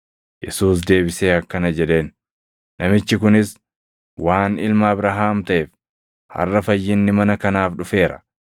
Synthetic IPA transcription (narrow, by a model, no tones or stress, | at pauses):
jɛsuːs̬d̪e̞ːbɪse̞ːɐkːɐnɐd͡ʒɛᶑe̞ːnː | ɐmɪt͡ʃːɪkʊnɪs | waːnɪlmɐːbɾaɦaːmt̪ɐʔeːf | hɐ̰rːɐfɐjːɪnːɪmɐnɐkɐnaːfᶑʊfe̞ːɾɐ̥̰